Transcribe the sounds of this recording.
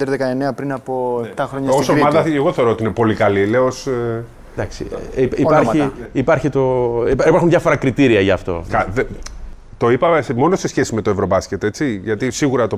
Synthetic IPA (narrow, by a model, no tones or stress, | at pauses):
d̪eɾðekɐeneɐpɾinɐpoet̪ɐxɾoɲɐosomɐðɐeɣoθeoɾoot̪iinepo̞likɐlileos | d̪ɐksiiɐçiipɐɾçit̪o̞pipɐɾxunðjʝɐfo̞ɾɐkɾit̪iɾiɐʝɐːft̪o̞̰kɐðe | t̪o̞ipɐsmo̞nosesçe̞sime̞t̪oevɾo̞bɐscet̪e̞t͡siʝɐt̪isiɣuɾɐt̪o